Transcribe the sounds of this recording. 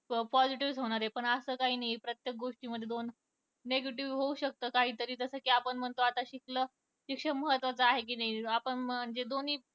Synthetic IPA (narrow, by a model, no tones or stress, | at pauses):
pɔd͡ziʈiʋsɦoɽ̃aɾɦepəɳəsəːkaɦiːnaɦipɾət̪jek̚ɡoʂʈiːməd̪ʱːjed̪onː | eɡeʈiʋɦouɕək̚t̪əːkaɦiːt̪əɾiːt̪əsəkiːapəɳm̤ənt̪oat̪aɕiklə | ɕikʂəməɦət̪ʋat͡səaɦek̬iːnaiapəɳmaɳd͡zed̪oniː